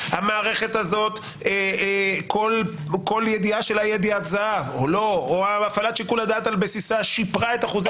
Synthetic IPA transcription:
hamaːʁe̞χe̞t̪azo̞t̪ | ekʰol | ko̞ljed̪iaʃelajed̪iat̪zaavolo̞oaafalat̪ʃikulad̪aːt̪albesisaʃipʁae̞t̪aχuz

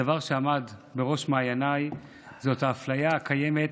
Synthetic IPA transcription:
avaʁʃeamadbe̞ʁo̞ʃmaːjanaj | zo̞t̪aːflajakʰaje̞me̞t

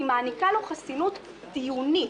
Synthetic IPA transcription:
imaːnikaluχasinut̪ | d̪̥ijuni

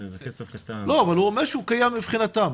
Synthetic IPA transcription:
st̪aloavalhuʁomeʁʃeukajamːipχinat̪am

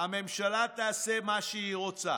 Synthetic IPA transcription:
ame̞mʃalat̪aːsemaʃeiʁot͡sa̰

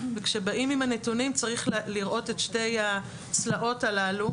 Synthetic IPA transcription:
vekʃe̞baʔimimanetunimt͡saʁiχliʁʔo̞tetʃte̞ja | t͡slaʔo̞talalu

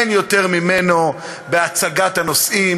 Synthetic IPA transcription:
njot̪e̞ʁmimeno̞ | beat͡saɡat̪hano̞sʔim

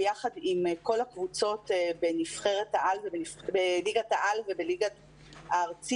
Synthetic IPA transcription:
jaχad̪imko̞lakvut͡so̞t̪benifχe̞ʁet̪haʔalvebenifbeliɡat̪aʔalvebeliɡa | aːʁt͡si

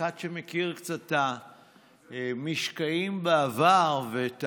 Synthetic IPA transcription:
adʃemekiʁkt͡sata | miʃkaimbaavaʁvet

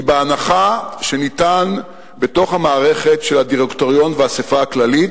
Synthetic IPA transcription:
beanaχaʃe̞nitan | be̞to̞χhamaːʁe̞χe̞tʃe̞lhadiʁektoʁjo̞nveasefaaklalit

